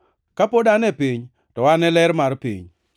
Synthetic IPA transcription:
kapodanɛpiɲ | tɔwanɛlɛɾmaɾpḭɲ

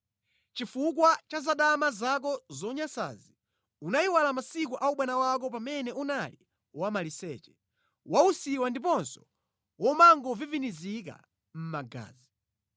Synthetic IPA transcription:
t͡ʃifuk̬wat͡ʃazaɗamazak̬ɔzɔɲasa̰zi | unaiwalamasik̬uʔauɓwɛnawak̬ɔp̬amɛnɛʔunali | wamalisɛ̰ːt͡ʃɛ̥ | wausiwandipɔnsɔ̥ | wɔmaŋɡɔvivinizika̰ | m̩maɡa̰ːzi

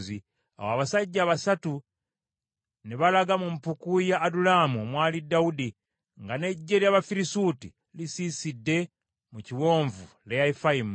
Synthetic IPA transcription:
zi | a̰waβasaɟːaːβasatu | neβalaɡamumpukujaːdulamuomwaːlidaudi | ŋɡane̞ɟːe̞ljaβafiɾisuti | lisisidːe̞ | muciwo̞ːɱvu | leaifaim

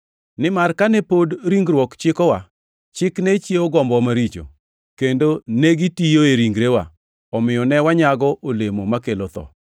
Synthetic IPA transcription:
nɪmarkanɛpodɾiŋɡɾwɔkt͡ʃɪkɔwa | t͡ʃɪknet͡ʃjeɔɡɔmbɔmaɾit͡ʃo̰ | kendoneɡitijoeɾiŋɡɾewa̰ | ɔmɪjɔnɛwaɲaɡɔʔolemomakelot̪ɔ̰

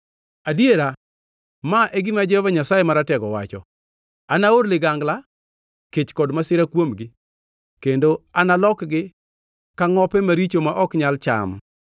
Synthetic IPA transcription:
adjeɾa | maʔɛɡɪmad͡ʒɛovaɲasajemaɾatɛɡɔwa̰t͡ʃɔ̰ | anaoɾlɪɡaŋɡla | ket͡ʃkɔdmasɪɾakwomɡɪ | kendoanalɔkɡɪ | kaŋɔpɛmaɾit͡ʃomaʔɔkɲalt͡ʃa̰m

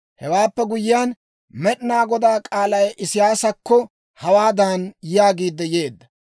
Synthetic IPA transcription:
hɛwaːpːɛɡʊjɪjan | mɛɗɪnaːɡɔd̪aːkʼaːlɐjʔɪsɪjaːsɐkːɔ | hɐwaːd̪anjaːɡiːd̪ːɛje̞ːd̪ːɐ

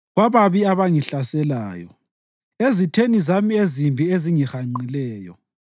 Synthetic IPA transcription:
ɣwaβaβiaβaŋiɬasɛla̰ːjɔ̰ | ezitʰenizamiezimbʱieziŋixaŋ͡ǀilɛːjɔ̰

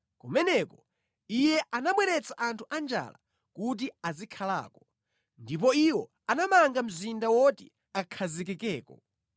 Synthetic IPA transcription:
kumɛnɛkɔ | ijɛʔanamwɛɾɛt͡saʔantʰuʔand͡ʒa̰la̰ | kut̬iazikʰala̰ːkɔ | ndip̬ɔiwɔ | anamaŋɡam̩zindawɔtḭ | akʰazik̬ɛkɛːkɔ

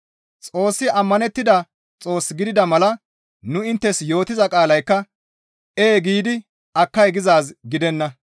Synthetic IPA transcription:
t͡sʼo̞ːsːɪʔɐmːɐnɛt̪ːɪd̪ɐ | t͡sʼo̞ːsɡɪd̪ɪd̪ɐmɐlɐ | nʊɪnt̪ːɛsjo̞ːt̪ɪzɐkʼaːlɐjkːɐ | eːɡiːd̪ɪ | ɐkːɐjɡɪzaːsɡɪd̪ɛnːɐ

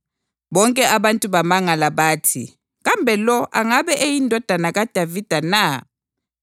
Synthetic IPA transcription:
βɔŋkʼɛʔaβantʼuβamaŋalaβaːtʰḭ | ɣambʱɛlɔʔaŋaβɛʔejindʱɔd̥ʱanaɣad̥ʱavid̥ʱana

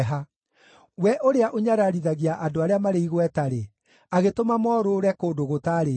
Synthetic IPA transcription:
ɦa | wɛʔoɾeaʔoɲaɾaɾiðaɣiaʔadoaɾeamaɾeiɣwɛtaɾe | aɣetomamɔːɾoːɾɛkoːdoɣotaːɾe

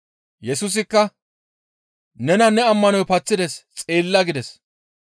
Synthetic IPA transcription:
jɛsʊs̬ɪkːɐ | nɛnɐnɛɐmːɐnɔjpɐt͡sːɪd̪ɛst͡sʼe̞ːlːɐɡɪd̪ɛs

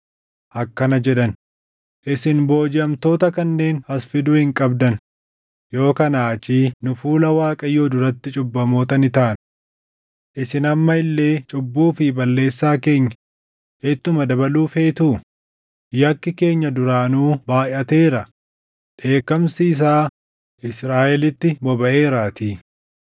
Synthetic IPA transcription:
ʔɐkːɐnɐd͡ʒɛᶑ̪ɐn | ʔɪsɪnbo̞ːd͡ʒɪɐmt̪o̞ːt̪ɐkɐnːe̞ːnhɐsfɪd̪uːhɪŋkʼɐbd̪ɐn | jo̞ːkɐnaːt͡ʃiːnʊfuːlɐwaːkʼɐjo̞ːd̪ʊɾɐt̪ːɪt͡ʃʼʊbːɐmo̞ːt̪ɐnɪt̪aːn | ʔɪsɪnɐmːɐɪlːe̞ːt͡ʃʼʊbːuːfɪbɐlːe̞ːsːaːke̞ːɲːɐ̥ | et̪ːʊmɐd̪ɐbɐluːfe̞ːt̪uː | jɐkːɪke̞ːɲːɐd̪ʊɾaːnuːbaːʔɐt̪e̞ːɾɐ | ᶑe̞ːkːɐmsiːs̬aː | ʔɪsɾaːʔɛlɪt̪ːɪbɔbɐʔe̞ːɾaːt̪iː

